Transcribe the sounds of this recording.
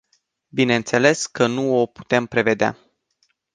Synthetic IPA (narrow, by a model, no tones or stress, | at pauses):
bine̞ɨnt̪se̞le̞skənuo̞pu̥t̪e̞mpɾe̞ve̞d̪ea̰